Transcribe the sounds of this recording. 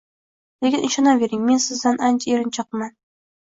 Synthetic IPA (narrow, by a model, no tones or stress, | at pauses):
lekʲɪnɪʃɒnɑveɾɪŋmensɪzːanant͡ʃʰeɾɪnt͡ʃʰɨqma